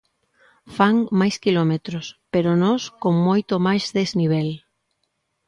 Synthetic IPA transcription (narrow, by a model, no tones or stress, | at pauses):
faŋmajskilomet̪ɾospeɾonoskoŋmojt̪omajzðezniβ̞el